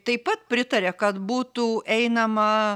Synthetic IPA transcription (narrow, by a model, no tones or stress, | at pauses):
t̪ɐɪpɐt̪̚pʲɾʲɪt̪ɐɾʲɛkɐt̪buːt̪uʔɛɪnɐmɐ